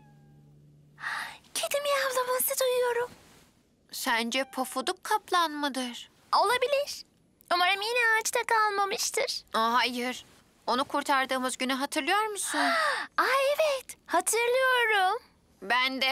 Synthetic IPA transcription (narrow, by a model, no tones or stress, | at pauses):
cʰed̪imjavlˠamasɯd̪ujujo̞ɾum | sænd͡ʒɛpʰofud̪ukʰːaplˠanmɯd̪ɯɾ̥ | o̞lˠabilʲiɾ̥ | umaɾamjinɛaːt͡ʃt̪akʰalˠmamɯʃt̪ʰɯɾ̥ɦajɯɾ̥ | o̞nukʰuɾt̪ʰaɾd̪ɯːmɯzɟynyɦat̪ʰɯɾlˠɯjo̞ɾmusunaevɛt̪hat̪ʰɯɾlˠɯjo̞ɾum | bænd̪ɛ